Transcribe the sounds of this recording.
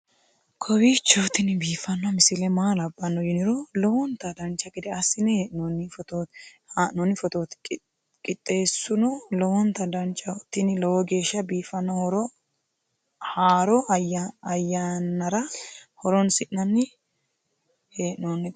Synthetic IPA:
kʰɔwit͡ʃːɐt̪ːɪnɪbiːfɐnːɐmɪsɪlɛmaːlɐbːɐnːɔjɪnɪɾɔlɔwɔnt̪ɐd̪ɐnt͡ʃːɐkɪd̪ɛɐsːɪnɛheːʔnɔnːɪfɔt̪ot̪ | haːʔnɔnːɪfɔt̪oːt̪ʼ | kʼɪt̪ʼːe̞ːsːʊnɔlɔwɔnt̪ɐd̪ɐnt͡ʃːɐɔt̪ːɪnɪlɔwɔɡe̞ːʃːɐbiːfɐnːɔhɔɾɔ | haːɾɔɐjːanːɐɾɐhɔɾɔnsɪʔnɐnːɪ | heːʔnonː

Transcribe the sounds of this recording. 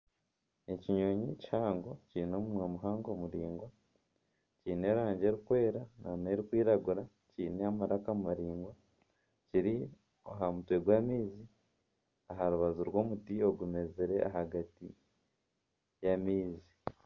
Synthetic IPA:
eciɲoɲichaːŋɡo̞ciɾino̞ːmumwamuɦaːŋɡo̞muɾiːŋɡwa | ciːne̞ɾaːɲɟe̞ːɾikwe̞ːɾanʔane̞ɾikwiːɾaɡuɾa | ciːneamaɾakaumaɾiːŋɡwa | ciɾi | oɦamutwe̞ɡwaːmiːzi | aɦaɾuβazuɾɡwo̞ːmutio̞ɡume̞zeɾe̞ʔaɦaɡati | jamiːzi

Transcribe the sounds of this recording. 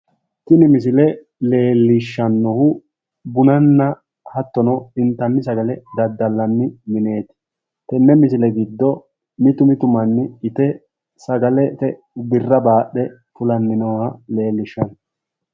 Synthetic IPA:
t̪ɪnɪmɪs̬ɪlɛ | le̞ːlːɪʃːɐnːɔhʊ | bʊnɐnːɐ | hɐt̪ːɔnɔɪnt̪ːɐnːɪsɐɡɐlɛd̪ɐd̪ːɐlːɐnːɪmɪne̞ːt̪ɪ̥ | t̪ɛnːɛmɪsɪlɛɡɪd̪ːɔ | mɪt̪ʊmɪt̪ʊmɐnːɪɪt̪ɛ | sɐɡɐlɛt̪ɛ | bɪrːɐbaːɗːɛ | fʊlɐnːɪnoːhɐle̞ːlːɪʃːɐn

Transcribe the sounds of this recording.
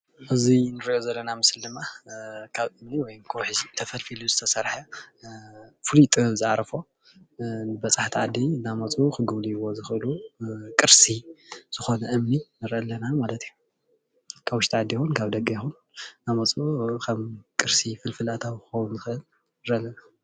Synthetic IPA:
ʔɨzinɨɾʔjozɐlːɐnamɨsld̪ɨmːakʰaβʔɨmniwɔjmkʰowħɨzit̪ʰɐfɐlfiluzɨt̪ʰɐsɐɾħa | fɨlit̪ʼzɨʕaɾɐfo | nɨbɐt͡sʼaħt̪ʰiʕad̪inamɐt͡sʼukʰɨɡɨβliwo̞zɨxʔɨlukʼɨɾsiz̥ɨxo̞nɐʔɨmninɨɾʔɐlːɐnamalɐt̪iju | kʰawʊʃt̪ʰiʕad̪ːijxunkʰaβd̪ɐɡjɛxun | namɐt͡sʼukʰɐmkʼɨɾsifɨlfɨlat̪ʰawkɨxɐwunzɨxʔɨl | nɨɾʔɐlːɐna

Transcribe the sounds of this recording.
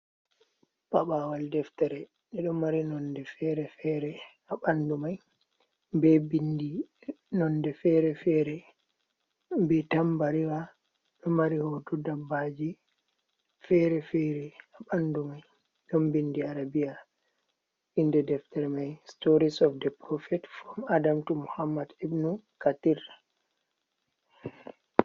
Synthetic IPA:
paɓawaldɛftɛɾɛ | ɗɛɗɔmmːaɾinɔndɛfɛɾɛfɛɾɛ | aɓandumaj | bɛbindi | nɔndɛfɛɾɛfɛɾɛ | bɛtambaɾiwa | ɗɔmaɾihɔdudabːad͡ʒi | fɛɾɛfɛɾɛaɓanːdumaj | ɡ̥ambindiaɾabija | indɛdɛftɛɾmajstoɾisɔfdɛpɾɔfɛtfɾɔmadamtumuhamːadibnukatiɾ

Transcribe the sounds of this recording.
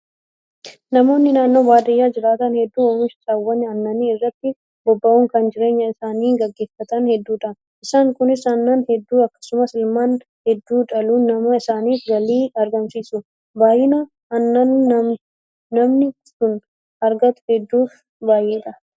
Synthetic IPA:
nɐmo̞ːnːɪnaːnːo̞ːbaːd̪ɐjːaːd͡ʒɪɾaːt̪ɐnhɛd̪ːuːwɐnʊsɪsʼɐwːɐnːɐɐnːɐniːɪrːɐt̪ːɪ | bɔbːɐʔuːŋkɐnd͡ʒɪɾe̞ːɲːɐɪsaːniːŋɡɐɡːe̞ːfɐt̪ɐnhɛd̪ːuːᶑɐn | ɪsaːŋkʊnɪsɐnːɐnhɛd̪ːuːɐkːɐ̥sʊmɐsɪlmaːn | hɛd̪ːuːᶑɐluːnɐmɐɪsaːniːfɡɐliːɐɾɡɐnsiːsʊ | baːjɪnɐ | ɐnːɐn | nɐmnɪ | sʊn | ɐɾɡɐt̪ʊ̥hɛd̪ːuːf | baːjʔeːᶑ̪ɐ

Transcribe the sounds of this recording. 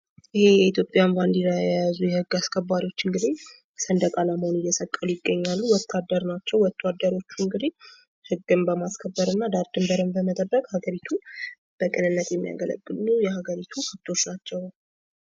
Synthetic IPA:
ʔɨhe̞jɛit̪jo̞pʼjamfand̪iɾajajazujɛhɨɡːaskʰəbːaɾiwo̞t͡ʃːɨŋɡɨd̪ih | sənd̪əkʼalamhonɨjɛsəkʼːəlujɪɡːəɲːalːuwɔt̪ʰːad̪ːəɾnat͡ʃːɛwɔt̪ʰːad̪ːəɾo̞t͡ʃːuɨŋɡɨd̪i | hɨɡːɨmbəmaskʰəbːəɾɨnːad̪aɾd̪ɨmbəɾɨmbəmət̪ʼəbːəkʼhaɡəɾit̪ʰu | b̥əkʼɨnɨnːət̪jɛmːija̰ɡələ̰ɡːɨlnujɛhaɡəɾit̪ʰukʰəbt̪ʰʼo̞t͡ʃːnat͡ʃːɛw

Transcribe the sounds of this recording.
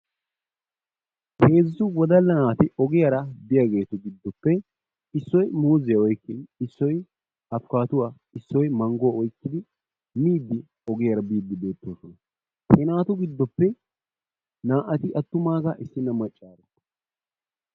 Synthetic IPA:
he̞ːzɪsʊwɔd̪ɐlːɐnaːt̪ɪʔɔɡɪjɐɾɐbɪjɐɡe̞ːt̪ʊɡɪd̪ːɔpːɛ | ɪsːɔjmuːzɪjɐɔjkːɪɪsːɔj | ɐfkaːt̪ʊwaː | ɪsːɔjmɐŋɡowɔjkːɪd̪ɪ | miːd̪ːɪ | ɔɡɪjɐɾɐbiːd̪ːɪbe̞ːt̪ːoːsɔnɐ | hɛnaːt̪ʊɡɪd̪ːɔpːɛ | naːʔɐt̪ɪʔɐt̪ːʊmaːɡɐʔɪsːɪnːɐmɐt͡ʃʼːaːɾɛ

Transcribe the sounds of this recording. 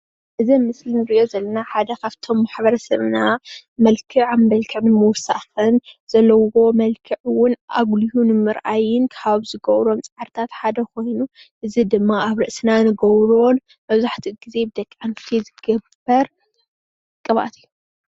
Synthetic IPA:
ʔɨzimɨslinɨɾɨiʔo̞zɐlːɐnaħad̪ɐkʰaβt̪ʰo̞mːaħbɐɾɐsɐβnamɐlkʰɨʕambɐlkʰɐβnmɨwsa̰xɨnz̥ɐlːɐwo̞mɐlkʰɨʕwʊnʔa̰ɡlihunɨmɨɾʔajɪnkʰaβzɨɡɐwɾo̞mt͡sʼɐʕaɾt̪ʰat̪ħad̪ɐkʰo̞jnu | ʔɨzid̪ɨmːaaβɾɨʔsɨnanɨɡɐwɾon | mɐβzaħt̪ʰiɡize̞bɨd̪ɐkʼːant̪ʰizɨɡɐbɐɾ | kʼɨβa̰t̪ʰɨjːu

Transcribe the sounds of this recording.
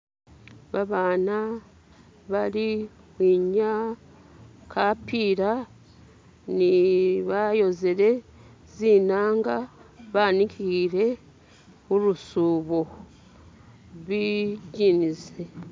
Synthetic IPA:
βaβaːna | βaɾi | wwiɲa | kʰapiɾa | niβajo̞zeɾe̞ | ziːnaːŋɡaβaːnikʰiɾe̞ | uɾusuːβo̞ | wiɟinize

